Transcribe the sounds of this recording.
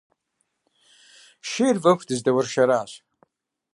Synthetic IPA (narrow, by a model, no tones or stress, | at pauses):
ʃeːjrvɐxʷdɨzdɐwɐrʃɐɾaːɕ